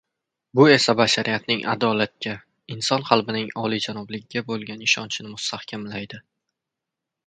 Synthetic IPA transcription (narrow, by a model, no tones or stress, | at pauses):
bʊe̞sabaʃaɾʔijat̪nɪŋʔa̰d̪ɒlat̪̚kʲʰa | ɪnsɒnqʰɑlˠbɪnɪŋɒlid͡ʒanɒblɪɡʲɪɡʲabolˠɡʲanɪʃɒnt͡ʃʰɪnɪmʊst̪ahkʲʰamlajd̪ɪ